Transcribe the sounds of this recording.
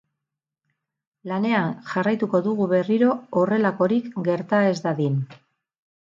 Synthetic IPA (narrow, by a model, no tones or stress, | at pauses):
lane̞anʝarajt̪uko̞ðuɣuβe̞riɾo̞ːre̞lako̞ɾikɡe̞ɾt̪ae̞zd̪aðin